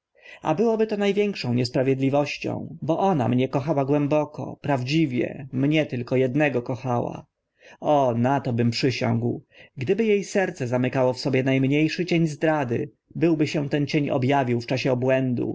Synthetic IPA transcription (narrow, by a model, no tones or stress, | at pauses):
a̰bɘwɔbɘt̪ɔnajvʲjɛŋkʂɔ̃w̃ɲɛspɾavʲjɛd̪lʲivɔɕt͡ɕɔ̰̃w̃bɔʔɔna̰mɲɛkɔxawaɡwɛmbɔkɔ̰pɾavd͡ʑivʲjɛ̰mɲɛt̪ɘlkɔjɛd̪nɛɡɔkɔxawa̰ | ɔnat̪ɔbɘmpʂɘɕɔ̰̃ŋɡwɡd̪ɘbɘjejsɛɾt̪sɛzamɘkawɔfsɔbʲjɛnajmɲejʂɘt͡ɕeɲzd̪ɾad̪ɘ̰ | bɘwbɘɕɛ̃t̪ɛnt͡ɕeɲɔ̰bjavʲiwft͡ʂaɕɛɔbwɛnd̪ṵ